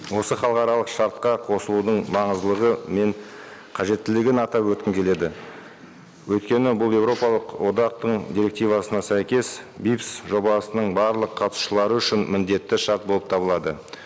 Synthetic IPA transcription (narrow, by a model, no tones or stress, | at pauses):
wo̞səχɑlˠqɑɾɑlˠəqʃɑɾt̪̚qɑqʰo̞səlˠud̪əɴmɑɴəzd̪lˠəʁəme̞ɴ | qʰɑʒe̞t̪ːɪlɪɡʲɪnɑt̪ɑpwɵt̪kʲɪmkʲʰe̞le̞d̪ɪ | wɵjt̪kʲe̞nɪbʊlˠe̞wɾo̞pɑlˠəqwo̞d̪ɑq̚t̪əɴd̪iɾe̞k̚t̪ijvɑsənɑsæjkʲe̞sbipsʒo̞bɑsənəɴbɑɾlˠəqʰːɑt̪u̥ʃəlˠɑɾəʏʃɪnmɪnd̪e̞t̪ːɪʃɑɾt̪̚bolˠəp̚t̪ʰɑbəlˠɑd̪ə